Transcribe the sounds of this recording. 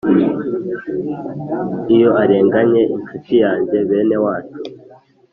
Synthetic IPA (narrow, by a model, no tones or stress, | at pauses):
ijo̞ʔaɾeːŋɡaɲe̞ʔinkut͡ʃijaːɲɟe̞βe̞ːne̞waːt͡ʃu̥